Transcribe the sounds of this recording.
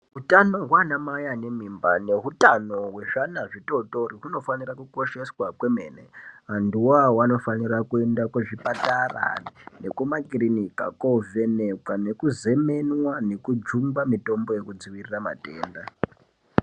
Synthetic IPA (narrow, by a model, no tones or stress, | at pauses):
ɦutano̞ɦwanamajane̞mimbane̞ɦutano̞we̞ʐanaʐito̞to̞riɦuno̞fanirakuko̞ʃe̞swakwe̞me̞ːnḛɦanduwawano̞fanirakue̞ndakweʐipatara̰ne̞kumakrinika̰kove̞nekwane̞kuze̞me̞nwane̞kud͡ʒumbamito̞mbo̞je̞kud͡ziʋirirama̰teːnda